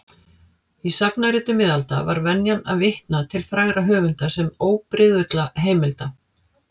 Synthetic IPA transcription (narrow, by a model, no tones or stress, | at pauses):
isapnaɾɪt̪ʏmɪðalt̪a̰va̰ɾvɛnjana̰vɪht̪nat̪ʰɪlfɾajɣɾaɦœːvʏnt̪asɛmoːwpɾɪðʏt̪laɦeːjmɪlt̪a